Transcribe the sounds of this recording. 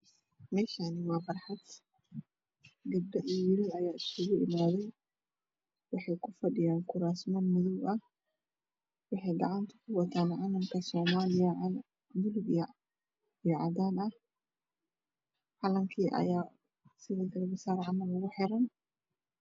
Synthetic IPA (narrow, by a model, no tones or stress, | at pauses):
mɛːʃaːnɪwɑːbɐrħad̪ | ɡɐd̪ɐʔijɪɾʊbɐjaːɪskʊɣʊʔɪmaːðɛj | wɑħɑjkʰʊfɐɖɪjaːŋkʰʊɾaːsmɔnmʊðʊɡɐh | wɑħɑjɡɐʕant̪ʰɐ̥kʰʊwɐt̪ʰaːnʕalɐmkʰɐsɔːmaːlɪjɐ | mʊlɡjɐ | ijɔʕɑd̪aːnɐh | ħalɐŋkʰiːʔɐ̰jaː | sɪðɪɡɐlbɪsaːɾʕanɐlʊɣʊħɛɾɐn